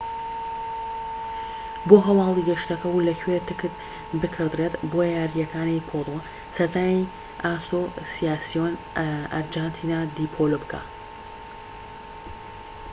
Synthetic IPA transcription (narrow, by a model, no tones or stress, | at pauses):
boːɦɐwɑːlˠiɡɐʃt̪ɐkɐwlɐkʰwet̪ɨkɨt̪ | bɨkʰɨɾd̪ret̪bojaːɾijɐkʰaːnejpʰoːd̪o | sɐɾd̪aːji | ʔaːsosijaːsijonʔɐ̰ɾd͡ʒaːnt̪ʰiːnaːd̪iːpʰoːlobɨkʰa̰ː